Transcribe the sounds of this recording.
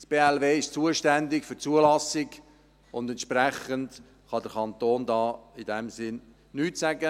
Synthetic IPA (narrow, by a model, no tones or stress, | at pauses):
sb̥eːɛlveːɪʃt͡suəʃtɛndɪkfʏɾt͡suəlɑsɪɡ | ʊndɛntʃpɾɛχənd | χɑdəɾkʰɑnt̪oːndɑːɪdɛmsɪn | nyːtsæɡə